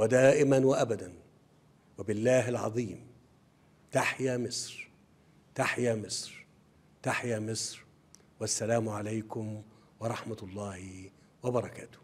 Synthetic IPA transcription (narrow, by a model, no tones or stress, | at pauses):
wad̪æːʔɪmanwaʔabad̪an | wabɪlːæːɦalʕɑ̰ðˤiːm | t̪aħjaːmɪsˤɾ | t̪aħjaːmɪsˤɾ | t̪aħjaːmɪsˤɾ | wasːælæːmʊʕalajkʊm | wɑɾˤɑħmat̪lˤːɑːhɪ | wabɑɾˤɑkæ̰ːt̪ʊ̥h